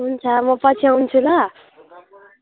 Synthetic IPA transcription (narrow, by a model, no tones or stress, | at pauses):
ɦunt͡sʰʌmʌpʌt͡sʰiawnt͡sʰulʌ